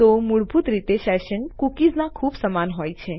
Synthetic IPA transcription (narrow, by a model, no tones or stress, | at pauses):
t̪omuɭbʱut̪ɾit̪eʃɛʃənkukiznakʰubsəmanɦojt͡ʃʰe